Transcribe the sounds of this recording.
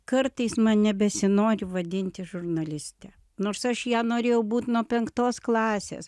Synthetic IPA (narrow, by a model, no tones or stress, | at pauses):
kɐɾt̪ɐɪsmɐnnʲɛbʲɛsʲɪnoːɾʲɪʋɐd̪ʲɪnʲt̪ʲɪʒʊɾnɐlʲɪsʲt̪ʲɛ | noːɾsɐʃjæːnoːɾʲeːjɛʊbuːt̪nuɔpʲɛŋkt̪oːsklˠɑːsʲḛːs